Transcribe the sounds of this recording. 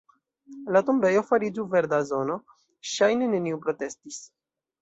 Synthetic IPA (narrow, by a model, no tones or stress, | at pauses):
lat̪ombe̞jo̞faɾid͡ʒuve̞ɾd̪azo̞no̞ | ʃajneneniupɾo̞te̞stis